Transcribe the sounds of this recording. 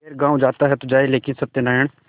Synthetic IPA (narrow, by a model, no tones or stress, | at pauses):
eːɾɡãːũd͡ʒaːt̪aɦɛt̪od͡ʒaːeleːkɪnsəb̚t̪enaːɪɳ̃